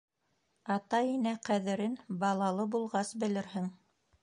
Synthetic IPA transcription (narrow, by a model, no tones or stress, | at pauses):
ɑt̪ɑjinæqæðɘ̆ɾɘnbɑlˠɑlˠɤbulˠʁɑsbɘ̆lɘɾɦɘŋ